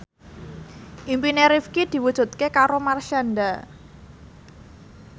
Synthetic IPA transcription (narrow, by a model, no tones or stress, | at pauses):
ʔimpineɾifkid̪̥i̤wud̥ʒ̥ṳt̪̚kekaɾomarʃanda